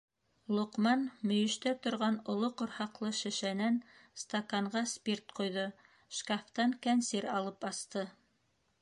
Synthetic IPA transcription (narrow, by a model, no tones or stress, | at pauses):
lˠoqmɑnmɵ̆jɵ̆ʃt̪æt̪ŏɾʁɑnŏlˠoqŏɾhɑqlˠɤʃɘ̆ʃænænst̪akɑɴɢɑspʲirt̪qŏjðo | ʃkaft̪ɑŋkænsiɾɑlˠɤpɑst̪ɤ